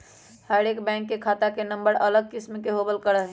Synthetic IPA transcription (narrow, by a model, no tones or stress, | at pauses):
həɾekbɛ̃ːŋkːekʰat̪akenəmbəɾələɡ̚kɪsmkeɦobəlkəɾəɦ